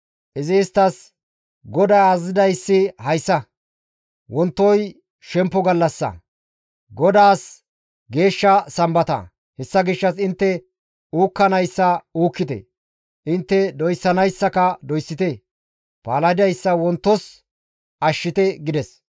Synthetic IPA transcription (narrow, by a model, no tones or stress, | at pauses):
ʔɪzɪːst̪ɐs | ɡɔd̪aːazɪd̪ɐjsːɪhɐjsːɐ | wɔnt̪ːɔj | ʃɛmpːɔɡɐlːɐsːɐ̰ | ɡɔd̪aːs | ɡe̞ːʃːɐsɐmbɐt̪ɐ̰ | hɛsːɐɡɪʃːɐsɪnt̪ːɛ | uːkːɐnɐjsːɐuːkːɪt̪ɛ̰ | ʔɪnt̪ːɛd̪ɔjsːɐnɐjsːɐkɐd̪ɔjsːɪt̪ɛ | paːlɐɪd̪ɐjsːɐwɔnt̪ːɔs | ʔɐʃːɪt̪ɛɡɪd̪ɛs